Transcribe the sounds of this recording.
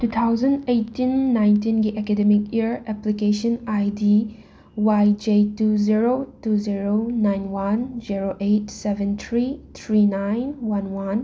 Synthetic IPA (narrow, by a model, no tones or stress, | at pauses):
tut̪ʰawzɐndejtːinːajnt̬inɡiʔekedemikiɾɛplikesɔnajdi | wajd͡ʒetuziɾotuziɾonajnwand͡ʒiɾoʔetsebɛnt̪ʰɾit̪ʰɾinajnwanwan